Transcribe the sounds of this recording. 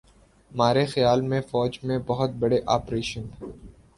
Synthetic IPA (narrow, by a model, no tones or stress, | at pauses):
maːɾexɐjaːlmẽfɔːd͡ʒmẽbɐɦʊt̪̚bɐɽeʔaːpɾeːʃən